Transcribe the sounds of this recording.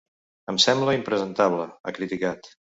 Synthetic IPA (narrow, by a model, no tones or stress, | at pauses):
əmsɛmbləimpɾəzənt̪aβləə̰kɾit̪ikat̪